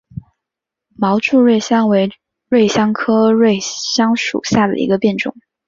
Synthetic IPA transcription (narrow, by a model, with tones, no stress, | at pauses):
mɑ˧˥ʊʈ͡ʂu˥˧ɻwe˥˩ɪɕjɑ˥ŋwe˧˥ɪ | ɻwe˥˩ɪɕjɑ˥ŋkʰɤ˥ɻwe˥˩ɪɕjɑ˥ŋʂṵ˨˩ɕja˥˩d̪ə̰˩ʔḭ˧˥ɡə˧pjɛ˥˩nʈ͡ʂʊ̰˨˩˦ŋ